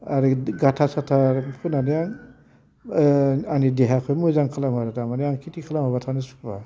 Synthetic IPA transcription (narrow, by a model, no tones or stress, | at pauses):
aɾiɡatʰasatʰaɾkʰunanejaŋ | anideɦakʰɔjmujzaŋkʰalamaɾatamanejaŋkʰitikʰalamɦaβatʰanisu̥kʰba